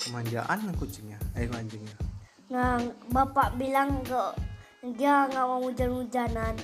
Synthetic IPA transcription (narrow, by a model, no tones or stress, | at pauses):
kəmaɲd͡ʒaʔanːakut͡ʃiŋɲaawaɲd͡ʒəŋɲa | ŋabapaʔbilaŋɡoʔ | ɡiaŋawaŋud͡ʒanud͡ʒanan